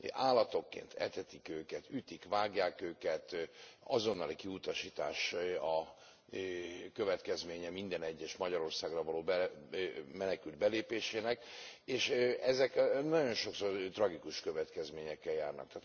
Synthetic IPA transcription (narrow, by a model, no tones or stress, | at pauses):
aːlːɒt̪o̞kːḛːnt̪ʰɛ̰t̪ɛt̪ikøːkɛt̪yt̪ikʋaːɡjaːkøːkɛt̪ɒzo̞nːɒlikiut̪ɒʃiːt̪aːʃɒ | kø̞vɛt̪kɛzmeːɲɛmind̪ɛnɛɟːɛʃmɒɟɒɾo̞rsaːɡrɒvɒloːbɛ | mɛnɛkyld̪̚bɛleːpeːʃeːnɛkeːʃɛzɛknɒɟo̞nʃo̞ksort̪rɒɡikuʃkø̞vɛt̪kɛzmeːɲɛkːɛljaːrnɒ̰k̚t̪aːt̪